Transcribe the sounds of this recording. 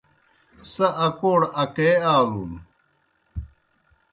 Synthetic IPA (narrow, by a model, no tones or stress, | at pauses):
sɐʔɐkoːɽɐkeːaːlun